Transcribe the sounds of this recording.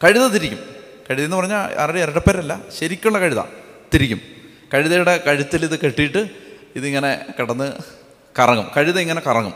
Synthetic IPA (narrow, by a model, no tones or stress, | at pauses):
kɐɻiðɐt̪iɾikʲːum | kɐɻiðɐenːɨpɐrɐɲːaa̰ːɾɐɽeeɾɐɽɐpːeɐɾɐlːɐɕɐɾikʲːuɭːɐkɐɻiðɐ̰t̪iɾikʲːum | kɐɻiðɐjuɽe̞kɐɻit̪ːiliðɨkeʈːijiʈːɨ | iðiŋːɐne̞kiɽɐnːɨ | kɐrɐŋːumkɐɻiðɐiŋːɐne̞kɐrɐŋːum